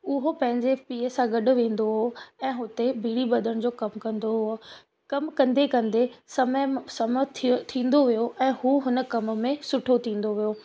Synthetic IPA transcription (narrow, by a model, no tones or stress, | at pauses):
ʊɦopɐ̃ɦɪ̃ɲd͡ʑepiːsãɡɐɗʊ̆ʋẽːn̆d̪oɦoɛ̃ːɦʊt̪ebiːɽibɐd̪ʱəɽ̃d͡ʑoːkɐmkɐ̃nd̪oɦʊ | kɐmkɐ̃nd̪ekɐ̃nd̪esɐmsɐmət̪ʰt̪ʰĩːnd̪oʋijoʔɛ̃ːhuːɦʊnə̆kɐm̆mẽsʊʈʰot̪ʰĩːn̆d̪oʋijoː